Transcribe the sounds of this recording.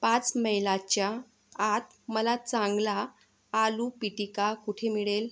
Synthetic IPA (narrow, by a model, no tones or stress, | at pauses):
pãt͡sməjlat͡ɕjaː | t̪ | məlat͡sãŋɡlaː | luːpiʈikakuʈʰemiɭel